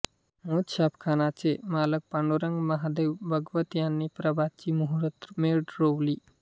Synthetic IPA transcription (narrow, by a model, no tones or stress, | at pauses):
moːt̪ʃaːpkʰaːnat͡ʃemaːlək̚paɳɖoɾə̃ŋɡmɐɦad̪eːʋbʱɐɡʋət̪jaːnːipɾɐbat͡ʃimuɦɾət̪meɖɾowli